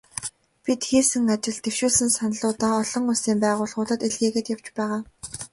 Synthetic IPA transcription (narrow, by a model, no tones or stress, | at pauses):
pʲit̪xeːsɘ̆ŋat͡ɕɪ̆ɮt̪ewʃuːɮsɘ̆nsanɮʊːt̪ɔːɔɮɞ̆ŋʊɮsiːmpæːʁʊːɮχʊːɮə̆t̪eɮɣeːɣĕt̪jaw̥t͡ɕpæːʁaː